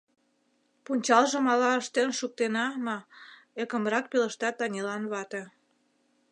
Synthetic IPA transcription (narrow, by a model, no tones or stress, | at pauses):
punʲt͡ɕɑlʒə̆mɑlɑəʃt̪enʃuk̚t̪enɑmɑ | ekə̆mɾɑk̚pelə̆ʃt̪ɑt̪ːɑnʲelɑnβɑt̪e